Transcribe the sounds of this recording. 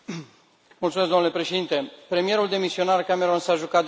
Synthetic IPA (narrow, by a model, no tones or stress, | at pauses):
mult̪sumes̬d̪onlepɾe̞ʃed̪int̪e̞pɾe̞mije̞ɾuld̪e̞misio̞narkame̞ɾonsaʒukat̪d̪